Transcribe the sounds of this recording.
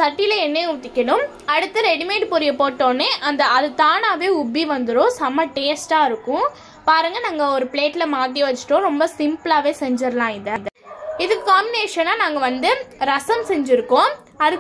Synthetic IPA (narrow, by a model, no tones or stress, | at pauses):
sɐʈːɪlɐɛnːeʊʈ̪ːɪkʲːɐɳʊm | ɐɽɯt̪ːɐɾɛɽɪmeːʈpɔɾɪjɐpoːʈːoːnːeːʔɐnd̪ɐɐðɯt̪aːnaːʋeːʊbːiʋɐnd̪ɯɾõːsɐmːɐʈeːsʈaːɪɾɯkːʊ̃ | paːɾɯŋɡɐnaŋɡɐɔɾɯpɭeːʈːlɐmaːʈ̬ːiʋɐt͡ʃːɪ̥ʈːõːɾɔmbɐsɪmpɯlaːʋeːsɛɲd͡ʒɪɾlãːɪðɐðɐ | ɪðɯkːɯkaːmbɪneːʂɐnaːnaːŋɡɐʋɐnd̪ɯɾɐsɐmsɛɲd͡ʒɪɾɯkːõː | ɐðɯkː